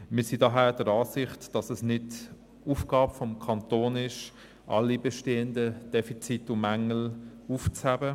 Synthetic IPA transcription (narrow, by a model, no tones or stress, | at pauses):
mɪsidoɦæːd̥əɾɑːsɪχtd̥ɑsɛsnɪd | ufɡ̥ɑːbfɔmkʰɑntoːnɪʃ | ʔɑ̰lːibɛʃteːəndəd̥ɛfit͡sitːʊmæŋəl̩uft͡shæbə